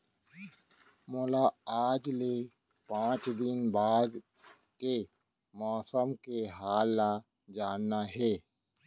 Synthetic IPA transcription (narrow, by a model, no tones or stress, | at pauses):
mɔːlaaːd͡ʒle | pãːt͡ʃd̪ɪnbaːd̪ | ke | mɔːsəmkeɦaːlːa | d͡ʒaːnːaɦɛː